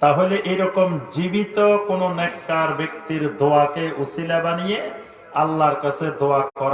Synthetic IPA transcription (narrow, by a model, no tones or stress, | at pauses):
t̪aɦoleʔeɾɔkomd͡ʑibit̪okononɛkːaɾbek̚t̪iɾd̪oakeʔusilabanije | alːaɾkat͡ɕʰed̪oakɔɾa